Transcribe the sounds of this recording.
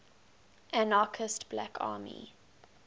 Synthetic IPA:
ʔanɑːkʰəstb̥lakʰɑ̰ːmḭ

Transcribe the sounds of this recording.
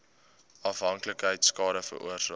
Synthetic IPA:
ɐfɦɐŋkləkɦəjtskɑːɾəfə̰ɾʔṵərsɑː

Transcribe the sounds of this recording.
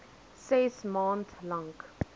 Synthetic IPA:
sesmãːntʰlãŋk

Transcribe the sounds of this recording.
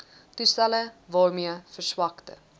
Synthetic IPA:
tustæləvɑːrmiəfərswɐktə̰

